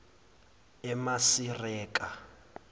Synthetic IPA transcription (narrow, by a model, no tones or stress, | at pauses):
ɛmasirɛːkʼa